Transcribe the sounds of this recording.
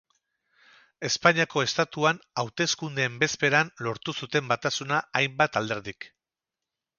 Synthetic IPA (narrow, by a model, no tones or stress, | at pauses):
e̞spaɲiako̞e̞st̪at̪uanawt̪e̞skund̪e̞ːmbe̞spe̞ɾanlo̞ɾt̪usut̪e̞mbat̪asunaːjmbat̪ald̪e̞ɾðik